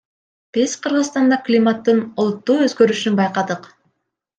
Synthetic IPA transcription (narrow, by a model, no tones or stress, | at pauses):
pesqʰɯɾʁɯzst̪ɑnd̪ɑklʲimat̪ːɯnolˠut̪ːuːø̞zɡø̞ɾyʃynbɑjqɑd̪ɯq